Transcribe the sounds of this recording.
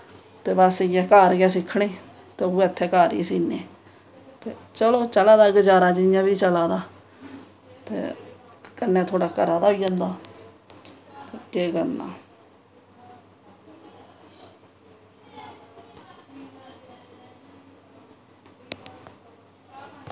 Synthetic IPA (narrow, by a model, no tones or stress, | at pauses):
t̪eːbaːsɪjaːkaːɾɡaːsɪkʰːɳeː | t̪eːoːət̪ʰːeːkaːɾḭsiːnḛː | t̪ḛːt͡ʃəloːt͡ʃəlaːd̪aːɡəd͡ʒaːɾaːd͡ʒɪjãːbiːt͡ʃəlaːd̪aː | t̪ḛː | kənːẽːt̪ʰoːɽaːkəɾaːd̪aːɦoiːd͡ʒãːnd̪aː | ekeːkəna̰ː